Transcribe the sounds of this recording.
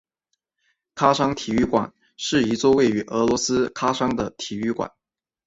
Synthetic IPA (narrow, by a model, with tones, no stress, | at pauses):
kʰa˥ʂɑ˥ŋt̪ʰi˨˩y˥˩kwa̰˨˩˦n | ʂɻ̩˥˩i˧˥t͡swɔ˥˧we˥˩ɪy˧˥ʔɤ˧˥lwɔ˧˥sɹ̩˥kʰa˥ʂɑ˥ŋd̪ə˨t̪ʰi˨˩y˥˩kwa̰˨˩˦n